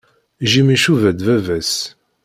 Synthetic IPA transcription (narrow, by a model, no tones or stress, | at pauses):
ʒimiʃuvæd̪vævæs